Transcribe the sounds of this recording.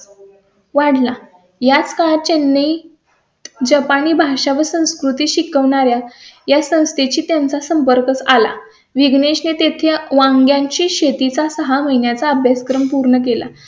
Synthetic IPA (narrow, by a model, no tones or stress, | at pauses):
ʋaɽla | jat͡skat͡ɕenːi | d͡ʑəpaniːbʱaʂaʋəsə̃w̃skɾut̪iːɕikəʋɳaɾjajasə̃w̃st̪ʰet͡ɕiːt̪jant͡sasəmpəɾkət͡sala̰ | ʋiɡɳeɕnet̪et̪ʰeʋãŋɡjaɲt͡ɕiːɕet̪it͡sasəɦaməɦinjat͡saəbʱjaskɾəmpuɾɳək̬ela̰